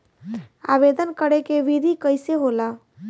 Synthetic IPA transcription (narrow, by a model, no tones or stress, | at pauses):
a̰ʋed̪ənkəɾekeʋid̪ʱikəɪseɦola